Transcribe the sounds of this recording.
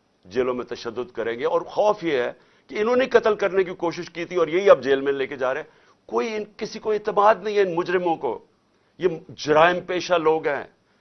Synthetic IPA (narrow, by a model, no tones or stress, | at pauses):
d͡ʒeːlõmẽt̪ɐʃəd̪ːʊd̪kɐɾẽːɡeɔːɾxɔːfjeɦɛ | keɪnɦõnekɐt̪əlkɐɾnek̬ikoːʃɪʃkiːt̪ʰiɔːɾjɐɦiɐb̚d͡ʒeːlmẽleːked͡ʒaːɾeɛ̃ | koːiɪnkɪsikoeːt̪ɪmaːd̪nɐ̃ɦĩɦɛɪnmʊd͡ʒɾɪmõko̰ː | jed͡ʒʊɾaːɪmpeːʃaloːɡɦɛ̰̃ː